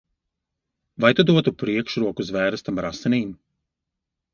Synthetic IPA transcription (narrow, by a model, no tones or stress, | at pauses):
vajt̪ud̪uɔt̪upɾiɛkʃɾuɔkuzvɛːɾɨst̪amaɾasɛnʲiːm